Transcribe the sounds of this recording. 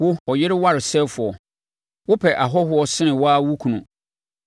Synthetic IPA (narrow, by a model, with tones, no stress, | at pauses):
wʊ˦ɔ˨jɪ˦ɾɪ˦wa˦ɾɪ˨sɛ˦fʊ˨ɔ˨ | wʊ˦pʰɛ˨ʔa˨ɦɔ˦ɦʊ˨˦ɔ˦sɪ˦ɪ̃˨waː˦wu˦kʰũ˨nũ˨